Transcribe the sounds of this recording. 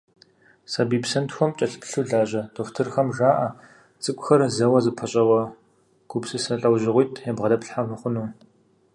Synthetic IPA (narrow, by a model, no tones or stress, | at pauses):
sabiːpsɐntxʷɔmt͡ʃʼɐɬpʰɬuɮaːʑɐtʰoftʰɨrxɐmʒaːʔɐ | t͡sʼɨkʷʼʊxɐrzɐwɐzɨpʰɐɕʼɐwɐ | ɡ̥upsɨsɐɬʼɐwʑɪʁʷʊjtʰjɛbʁɐdɐpɬħamɨχʷʊnuː